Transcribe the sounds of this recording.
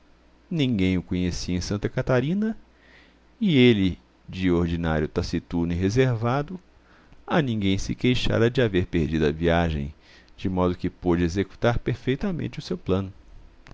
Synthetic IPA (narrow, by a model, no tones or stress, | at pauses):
nĩɡẽj̃ʊkõɲesiɐẽsɐ̃nt̪ɐkat̪aɾĩnɐ | ɪelɪ | d͡ʒɪoɾd͡ʒina̰ɾjʊt̪asit̪uɾnɪɦezeɾvad̪ʊ | ɐnĩŋɡẽj̃sɪkejʃa̰ɾɐd͡ʒɪaveɾpeɾd͡ʒid̪ʊɐviaʒḛ̃j̃ | d͡ʒɪmɔd̪ʊkɪpod͡ʒɪezeku̥t̪aɾpeɾfejt̪ɐmḛ̃nt͡ʃɪʊsewplɐ̃nʊ